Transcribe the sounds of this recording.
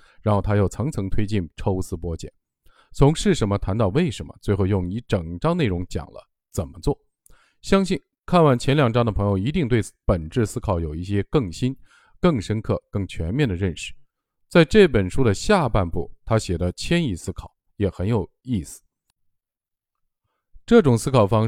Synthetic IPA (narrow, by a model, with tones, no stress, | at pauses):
ɻa˧˥nxo˥˩ʊt̪ʰa˥jo˥˩ʊt͡sʰɤ˧˥ŋt͡sʰɤ˧˥ŋt̪ʰwe˥ɪt͡ɕi˥˩nʈ͡ʂʰo˥ʊsɹ̩˥pwɔ˥t͡ɕjɛ̰˨˩˦n | t͡sʰʊ˧˥ŋʂɻ̩˥˩ʂə˧˥nmə˧t̪ʰa˧˥nt̪ɑ˥˧ʊwe˥˩ɪʂə˧˥nmə̰˧t͡swe˥˧ɪxo˥˧ʊjʊ˥˩ŋi˧˥ʈ͡ʂɤ˨˩ŋʈ͡ʂɑ˥ŋne˥˩ɪɻʊ˧˥ŋt͡ɕjɑ̰˨˩ŋlə̰˦ | t͡sə˨˩nmə˦t͡swɔ˥˩ | ɕjɑ˥ŋɕi˥˩n | kʰa˥˧nwa˥˩nt͡ɕʰjɛ˧˥nljɑ˨˩ŋʈ͡ʂɑ˥ŋd̪ə˨pʰɤ˧˥ŋjo˧˩ʊi˧˥t̪i˥˧ŋt̪we˥˩ɪpə˨˩nʈ͡ʂɻ̩˥˩sɹ̩˥kʰɑ˨˧˥ʊjo˨˩ʊi˥˩ɕjɛ˥kɤ˥˩ŋɕi˥n | kɤ˥˩ŋʂə˥nkʰɤ˥˩kɤ˥˩ŋt͡ɕʰɥɛ˧˥nmjɛ˥˩nd̪ə˩ɻə˥˧nʂɻ̩̥˥˩ | t͡sa˥˧ɪʈ͡ʂɤ˥˩pə˨˩nʂu˥d̪ə˨ɕja˥˧pa˥˧npṵ˥˩t̪ʰa˥ɕjɛ˨˩d̪ə˦t͡ɕʰjɛ˥ni˥˩sɹ̩˥kʰɑ˨˩˦ʊjɛ˨˩xə˧˥njo˨˩ʊi˥˩sɹ̩̥˨˩ | ʈ͡ʂɤ˥˩ʈ͡ʂʊ˨˩ŋsɹ̩˥kʰɑ˨˩ʊfɑ˥ŋ